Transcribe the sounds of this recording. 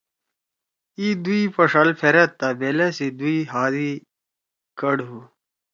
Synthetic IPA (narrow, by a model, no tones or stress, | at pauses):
id̪uipɐʂalpʰeɾɐt̪ːabeːlesid̪uiɦaːd̪i | kɐɽɦuː